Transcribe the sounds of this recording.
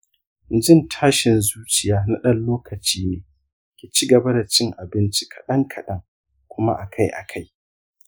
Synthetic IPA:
n˨d͡ʒɪ˦˨ntʰaː˦ʃɪ˨nzuː˦t͡ʃɪ˨jaː˦na˦ɗɐ˦nloː˦kɐ˨t͡ʃiː˦neː˨ | kʲiː˨t͡ʃi˦ɡɐ˨ba˦da˨t͡ʃɪ˦ŋʔa˨bɪ˦nt͡ʃi̥˦kʰɐ̥˨ɗɐ˦ŋkʰɐ˨ɗɐ˦ŋ | kʷʊ˦ma̰˦ʔa˨kʰa˦jʔa̰˨kʰa˦j

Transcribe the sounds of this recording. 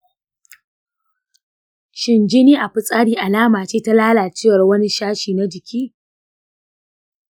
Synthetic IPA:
ʃɪ˨nd͡ʒɪ˦niː˦ʔa˨ɸɪ˨sʼaː˦ɽiː˦ʔa˨laː˦maː˨t͡ʃeː˦ta˦laː˦laː˨t͡ʃɪː˦wɐ˨rwɐ˦ni˦ʃaː˦ʃiː˨na˦d͡ʒɪ˨kʲʰiː˦

